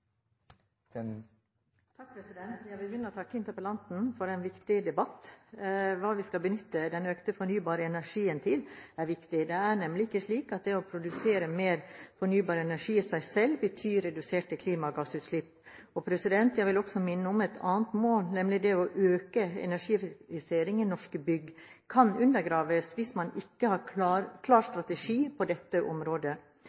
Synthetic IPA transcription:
t̪ʰɑk̚pʰɾɛsɪd̪ɛnt̪jæɪʋɪlbjʏnːəɔt̪ʰɑkːəɪnt̪əɾpəlɑnt̪n̩fɔɾɛnʋɪkt̪ɪd̪ɛbɑt̪ː | ʋɑːʋɪskɑlbənʏt̪ːəd̪ɛnøːkt̪əfɔɳyːbɑːɾəɛnæɾʂiːənt̪ʰɪlæɾʋɪkt̪ɪd̪ɛæɳɛmlɪɪkːəʂɭiːkɑt̪̚d̪ɛɔpʰɾʊd̪ʉseːɾəmeːɾfɔɳyːbɑːɾəɛnæʂiːsæɪsɛlbət̪ʰyːɾɛd̪ʉseːʈəkʰliːmɑɡɑsʉt̪ʂlɪpːɔpʰɾɛsɪd̪ɛnt̪jæɡʋɪlɔksɔmɪnːəʊmɛt̪ʰɑːnt̪moːlnɛmlɪd̪ɛɔʔøːkəɛ̰næʂiːfɪseːɾɪŋɪnɔʂkbʏɡ | kʰɑnʉnd̪əɾɡɾɑːʋəsʋɪsmɑnɪkːəhɑɾk̪ʰɑːɾkʰlɑːɾst̪ɾɑt̪ɛʂiːpʰɔd̪ɛt̪ːəʔɔ̰mɾoːd̪ə

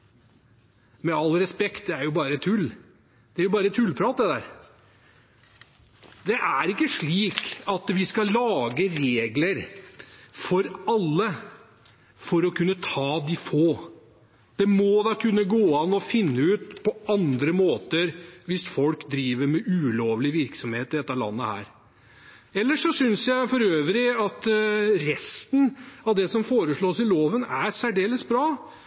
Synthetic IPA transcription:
mɛɑlːɾɛspɛkt̪æɾjʊbɑːɾəɛt̪ʰʉlː | d̪̥ɛæɾjʊbɑːɾət̪ʰʉlːpʰɾɑːt̪̚d̪ɛd̪æːɾ | d̪ɛʔæɾɪkːəʂɭiːkɑt̪ʋɪskɑlɑːɡəɾeːɡləɾ | fɔɾɑlːə | fɔɾɔkʰʉnːət̪ʰɑːd̪ɪfoː | d̪̥ɛmɔd̪ɑkʰʉnːəɡoːɑnɔfɪnːəʉːt̪pʰɔɑnd̪ɾəmoːt̪əɾʋɪsfɔlkd̪ɾiːʋəɾmɛʔʉːloːʋlɪʋɪɾksɔmheːt̪ɪd̪ɛt̪ːɑlɑ̰nːəhæ̰ːɾ | ɛlːəʂɔsʏnsjæɪfɔɾøːʋɾɪɑt̪ɾɛst̪n̩ɑʋd̪ɛsɔmfoːɾəʂɭoːsɪloːʋənæɾsæɖeːləsbɾɑː

